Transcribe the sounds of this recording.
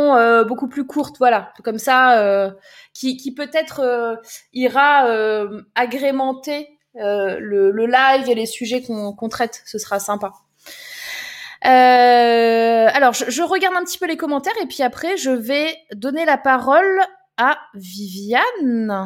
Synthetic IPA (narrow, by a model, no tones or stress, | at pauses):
ɔ̃øbokuplykʰuʁt̪vwalakɔmsaø | kʲikʲipøt̪ɛt̪χøiʁaøaɡʁemɑ̃t̪e | ølələlajvelesyʒɛkɔ̃kɔ̃t̪χɛt̪səsəʁasɛ̃pa | ø | alɔʁʒəʒəʁəɡaʁd̪ɛ̃pət̪i̥pølekɔmɑ̃t̪ɛʁepɥiapχɛʒəvɛd̪ɔnelapaʁɔl | avivjan